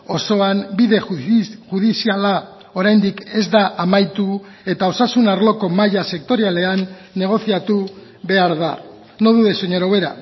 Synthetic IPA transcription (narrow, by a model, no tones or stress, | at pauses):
o̞so̞ambiðe̞ʝuðisiala | o̞ɾajnd̪ike̞zd̪aʔamajt̪u | e̞t̪ao̞sasunaɾlo̞ko̞majase̞k̚t̪o̞ɾiale̞anː | e̞ɣ̞o̞θiat̪u | βe̞aɾða | no̞ðuðe̞soɲoɾoβe̞ɾa̰